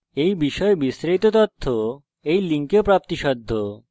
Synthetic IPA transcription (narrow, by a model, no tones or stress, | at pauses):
ejbiʃɔebisɾejt̪ot̪ot̪ʰːo | ejliŋkeopɾap̚t̪iʃɔd̪ʱːo